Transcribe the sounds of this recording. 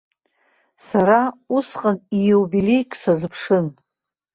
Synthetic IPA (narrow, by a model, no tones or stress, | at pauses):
saɾausqʼanijewbilejkʼsazɨpʰʂɨn